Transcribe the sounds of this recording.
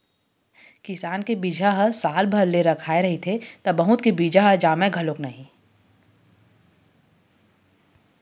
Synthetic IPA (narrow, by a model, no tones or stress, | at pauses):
kɪsaːnkebiːd͡ʒʱaɦəsaːlbʱɐɾleɾɐkʰaːeɾɐɦit̪ʰet̪ɐbɐɦʊt̪̚kebiːd͡ʒaɦɐd͡ʒaːmẽɡʱɐloknɐɦĩ